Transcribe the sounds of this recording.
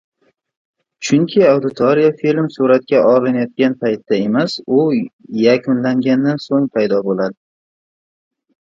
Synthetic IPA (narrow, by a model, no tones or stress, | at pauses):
t͡ʃʰʊŋkʲʰɪawd̪ɪt̪ʰoɾijafilmsuɾat̪̚kʲaʔɒlɪnajɒt̪̚kʲanpʰajt̪d̪ae̞masʊjakʰʲʊnlaŋɡʲand̪ansoŋpʰajd̪ɒbolad̪ɪ